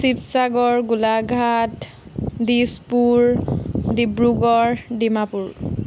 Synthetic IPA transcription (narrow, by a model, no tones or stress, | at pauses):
sipsaɡɔɹɡulaɡʱat | dispuɹdibɹuɡɔɹdimapuɹ